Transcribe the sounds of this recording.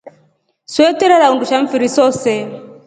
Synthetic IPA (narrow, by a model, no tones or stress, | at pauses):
swɛtɛɾɛɾaunduʃaɱ̩fiɾisɔsɛ